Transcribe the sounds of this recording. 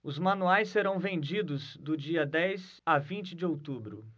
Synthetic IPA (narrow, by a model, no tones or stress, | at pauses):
ʊzmɐ̃nuajsːeɾɐ̃w̃vẽnd͡ʒid̪ʊzd̪ʊd͡ʒiɐd̪ɛjz | avĩnt͡ʃɪd͡ʒɪowt̪ubɾʊ̰